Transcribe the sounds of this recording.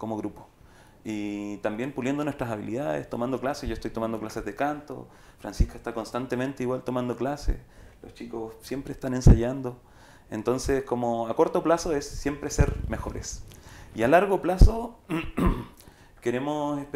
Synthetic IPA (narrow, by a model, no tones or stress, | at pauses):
komoɣɾupo̥ | it̪ambjempuljend̪onwest̪ɾasaβḭlḭðaðḛst̪omand̪o̞klasesʝoest̪ojt̪o̞mand̪o̞klasezðekant̪o̰ | fɾa̰nsihkaest̪ako̞nst̪ant̪ement̪eiwalt̪omand̪oklasḛslost͡ʃikossjempɾest̪anensaʝand̪o | ḛnt̪o̞nseskomoako̞ɾt̪oplasoesːje̞mpɾeseɾme̞xo̞ɾesialaɾɣoplaso | ke̞ɾe̞mosesp